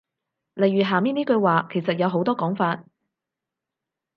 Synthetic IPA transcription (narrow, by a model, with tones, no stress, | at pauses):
lɐ˨jɥyː˨ɦaː˨˩miː˥niː˥kɵ˧ɥwaː˨kʰe˨˩jsɐ˨t̚jɐ˨˧wɦo˨˥wt̪ɔː˥kɔː˨˥ŋfaː˧t̚